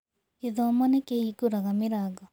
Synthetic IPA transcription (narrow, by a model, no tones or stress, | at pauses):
eðɔmɔnekehikoɾaɣamɪɾaɣɔ